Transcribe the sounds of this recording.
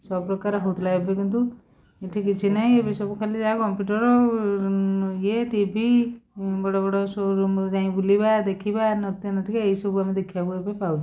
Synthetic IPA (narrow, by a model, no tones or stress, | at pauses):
sɔbɔpɾɔkaɾɔɦɔut̪ʰlaɡbekint̪̬u | eʈʰik̬it͡ʃʰinaɦĩebesɔbukʰalid͡ʒaakɔmpuʈɔɾɔ | jeʈibʱi | bɔɽɔbɔɽɔsoɾd͡ʒãĩbulibad̪ekʰibanɔt̪janɔʈʰikeeisɔbuamed̪ekʰibabuebepawt͡ʃʰi